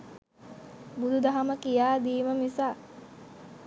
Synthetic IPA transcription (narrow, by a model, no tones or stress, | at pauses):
bud̪ud̪aɦaməkijaːd̪iːməmisaː